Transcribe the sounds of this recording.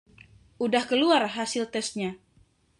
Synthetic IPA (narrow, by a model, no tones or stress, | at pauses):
ʔudahkəluarɦasɪlt̪ɛs̚ɲa